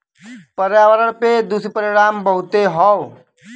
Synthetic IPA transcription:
pəɾjaːʋəɾəɳped̪ʊspəɾɪɽaːmbəɦʊt̪eɦɔː

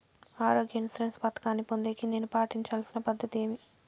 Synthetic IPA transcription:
aːɾo̞ːɡjɐnsɾenspɐt̪ɐ̥kaːnːipond̪eːkine̞ːnupaːʈiɲt͡ʃaːlsinɐpɐd̪ʱːɐt̪eːmi

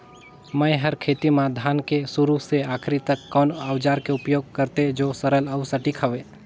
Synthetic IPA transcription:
məjɦəɾkʰeːt̪imãd̪ʱaːnkesʊɾuɦseaːkʰɾit̪əkːɔːnəwd͡ʒaːɾkeʊpjoːɡ̚kəɾt̪ed͡ʒoːsəɾələwsəʈikʰəʋeː

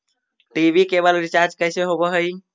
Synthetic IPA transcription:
ʈibʱikeβəlɾit͡ʃaɾd͡ʒkəjseɦobəɦəj

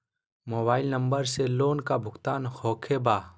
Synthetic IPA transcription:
moːbaːɪlnɐ̃mbəɾseloːnkabʱʊkt̪aːnhoːkʰebaː

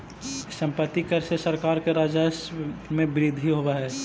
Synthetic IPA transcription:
sə̃mpət̪ːikɐɾsesɐɾkaːɾkeɾaːd͡ʒasmẽbɪɾɪd̪ʱɦiɦowaɦɛː

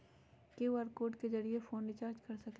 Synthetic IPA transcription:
keuɐɾkoːɾɖked͡ʒɐɾiefoːnɖɪt͡ʃaːɾd͡ʒkɐɾsɐk

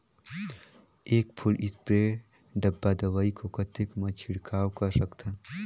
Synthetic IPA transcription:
eːkpʰʊlɪspɾe | ɖɐbːad̪ɐʋaːikokɐt̪ɪkmɐt͡ʃʰɪɽkʰaːwkɐsɐkt̪ɛ̃ː

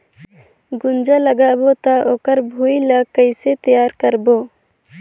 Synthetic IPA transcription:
ɡʊnd͡ʒaləɡabot̪aʔokəɾbʱujlakəjset̪ijaːɾkəɾbo

